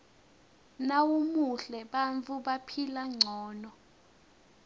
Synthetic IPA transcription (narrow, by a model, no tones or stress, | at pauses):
nawumuɬɛɓant͡fuɓapʰilaŋ͡ǀʱɔːnɔ